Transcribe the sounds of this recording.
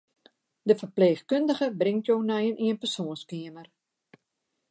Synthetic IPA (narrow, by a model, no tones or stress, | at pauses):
dəfərpleːxkøndəɣəbrɪŋtjownɛjənʔiənpərsoːnskiəmər